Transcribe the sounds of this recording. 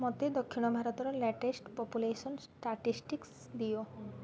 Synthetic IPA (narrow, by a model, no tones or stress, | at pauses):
mɔt̪ed̪okʰːinobʱaɾot̪ɔɾɔlɛʈesʈpɔpuleʃonsʈaʈisʈiks | d̪ijo